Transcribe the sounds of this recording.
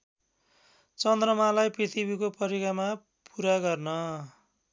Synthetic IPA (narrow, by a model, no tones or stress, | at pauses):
t͡sʌnd̪rʌmalajprit̪ʰibikopʌɾikama | puɾaɡʌrnʌ